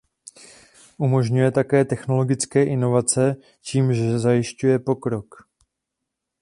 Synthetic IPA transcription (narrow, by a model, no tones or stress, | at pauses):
ʔumo̞ʒɲujɛt̪akɛːt̪ɛxno̞lo̞ɡɪt͡skɛːʔɪno̞vat͡sɛ | ciːmʒɛzajɪʃcujɛpo̞kɾo̞k